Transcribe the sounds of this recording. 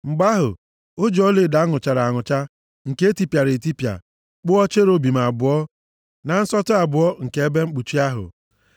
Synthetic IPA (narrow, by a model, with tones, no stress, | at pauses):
ŋ͡m̩˨ɡ͡ba˦ɦʊ̰˨ | o˦d͡ʒo˦le˦˨da˨˦ŋʊ˨t͡ʃa˨ɾa˨ŋʊ˨t͡ʃa˦ | ŋ̩˨ke˦ti˨pja˨ɾe˨ti˦pja̰˨ | k͡pʊ˦ɔ˦t͡ʃe˦ɾo˦bi˨m˨a˨bʊ˨˦ɔ˦ | na˨n̩˦sɔ˦tʊ˦a˨bʊ˨ɔ˦ŋ̩˨ke˦e˦be˦ŋ͡m̩˦k͡pu˨t͡ʃi˦a˦ɦʊ̰˨